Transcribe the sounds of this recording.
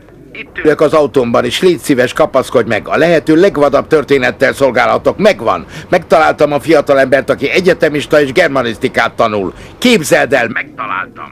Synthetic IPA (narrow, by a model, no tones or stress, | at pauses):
it̪ːyløkɒzɒut̪ombɒneːʃleːt̪sivɛʃkɒpɒsko̞ɟmɛ̰ɡɒ̰lɛɦɛt̪øːlɛɡʋɒd̪ɒb̚t̪ørt̪eːnɛt̪ːɛlso̞lɡaːlɒt̪o̞kmɛɡʋɒ̰nmɛk̚t̪ɒlaːlt̪ɒmɒfijɒt̪ɒlɛmbɛrt̪ɒkiɛɟɛt̪ɛmiʃt̪ɒeːʒɡɛrmɒnist̪ikaːt̪ːɒnul | keːbzɛld̪ɛlmɛk̚t̪ɒla̰ːlt̪ɒ̰m